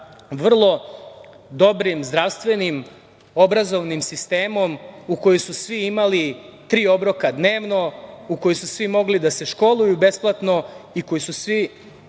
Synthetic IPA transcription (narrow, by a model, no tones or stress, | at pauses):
ʋr̩lˠo̞ | d̪o̞bɾimzd̪ɾaʋst̪ʋe̞nim | o̞bɾazoʋnimsist̪e̞ːmo̞muko̞jesusʋiimalit̪ɾiːo̞bɾo̞kad̪neːʋno̞uko̞jisusʋimo̞ɡlid̪ase̞ʃko̞lˠujube̞splˠat̪no̞iko̞jususʋi